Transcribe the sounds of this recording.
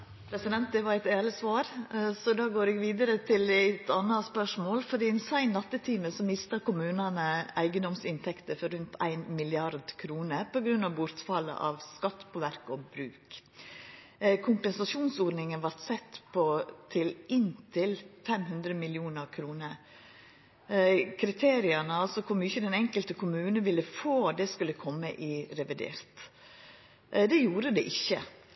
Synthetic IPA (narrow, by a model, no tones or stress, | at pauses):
pʰɾɛsɪd̪ɛnt̪̚d̪ɛʋɑɾæɪt̪eːləsʋɑːɾsɔd̪ɑːɡoːɾɛːɡʋiːd̪əɾət̪ʰɪlt̪ʰɑnːɑspœʂmoːlfɔd̪iːnsæɪnːɑt̪ːət̪ʰiːməsɔmɪst̪ɑkʊmʉːnɑnəʔæɪɡənd̪ɔmsɪnt̪ʰɛkt̪əfɔɾʉnt̪ʰæ̰ɪnmɪlɪɑɾd̪kʰɾuːnəpɔɡɾʉnːɑʋbʊɾt̪fɑlːə̰ʔɑ̰ʋskɑt̪ːpʰɔʋæɾkɔbɾʉːk | kʰʊmpənsɑʂuːnsɔɾnɪŋənʋɑɾt̪sɛt̪ːpʰɔt̪ʰɪlɪnt̪ʰɪlfɛmhʉnd̪ɾəmɪlɪuːnəɾkʰɾuːnəɾ | kʰɾɪt̪ʰeːɾɪɑnəɑlsɔkʰʊɾmʏçəd̪ɛnɛŋkəlt̪əkʰʊmʉːnənʋɪlːəfoːd̪ɛskʉləkʰɔmːəʔɪɾɛʋɪd̪ḛːɾt̪ | d̪ɛjuːɾəd̪ɛʔɪçːə̰